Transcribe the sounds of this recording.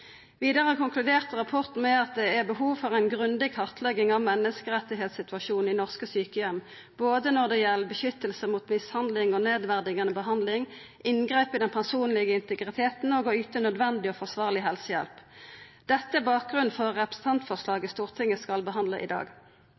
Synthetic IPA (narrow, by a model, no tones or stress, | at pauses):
ʋiːd̪əʁəkʊŋklʉd̪eːʁt̪ʁɑpʰɔʁt̪n̩mɛɑt̪̚d̪ɛæʁbəhuːʋfɔʁæɪnɡʁʉnd̪ɪɡ̚kʰɑʁt̪ʰlɛɡɪŋɑʋmɛnːəskəʁɛt̪ːɪɦeːt̪sɪt̪ʉʋɑʃuːn̩ɪnɔʁskəsyːkəjɛmː | boːd̪ənɔʁd̪ɛjɛlːəbəʃʏt̪ːəlsəmuːt̪mɪshɑnd̪lɪŋɔneːd̪ʋæʁd̪ɪɡɑnəbəɦɑnd̪lɪŋ | ʔɪnɡʁeːpɪd̪ɛnpʰæʁsuːnlɪɡəɪnt̪əɡʁɪt̪ʰeːt̪n̩oɡoyːt̪ənœd̪ʋɛnd̪ɪɔfɔʁsʋɑːʁlɪɦɛlsəjɛ̰lpd̪̥ɛt̪ːəæbɑːk̚ɡʁʉn̩fɔʁːɛpʁəsn̩t̪ʰɑnt̪fɔʁslɑːɡəst̪uːʁt̪ʰɪŋːəskɑlbəɦɑnd̪ləʔɪ̰d̪ɑ̰ːɡ